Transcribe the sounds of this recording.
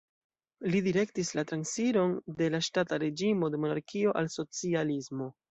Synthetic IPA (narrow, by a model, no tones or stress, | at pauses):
lidiɾe̞ktislatɾansiɾo̞nde̞laʃtataɾe̞d͡ʒimo̞de̞mo̞naɾkʰio̞ʔalso̞t͡sializmo̞